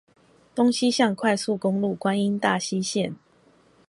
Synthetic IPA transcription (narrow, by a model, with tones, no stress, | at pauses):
t̪o˦ŋɕi˦ɕjɑ˥˨ŋkʰwa˥˧ɪsu˥˨ko˦ŋlu˥˨kwa˦ni˦nt̪a˥˨ɕi˦ɕjɛ˥˨n